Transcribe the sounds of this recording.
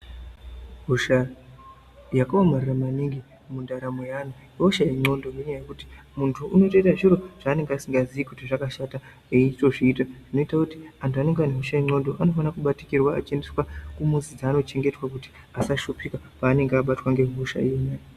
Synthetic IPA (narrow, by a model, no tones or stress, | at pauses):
ɦuʃa | jakaamariramaniŋɡi | mundaɾamo̞janujɦoʃaeŋ͡ǀo̞ndoneɲajekuti̥ | muntʰuʔːno̞to̞itaʐiɾo̞ʐ̥aːne̞ŋɡeasiŋɡaziikutiʐakaʃata | eitoʐiːtaʐ̥ino̞itakuti̥antʰuane̞ŋɡeaneɦoʃaeŋ͡ǀo̞ndo̞ʔano̞fanakuɓatikirwa̰ːt͡ʃe̞ndeswakumuzid͡zaːno̞t͡ʃe̞ŋɡe̞twakuti̥ | asaʃupika | paːne̞ŋɡeaɓatwaŋɡe̞ɦuʃa̰enajo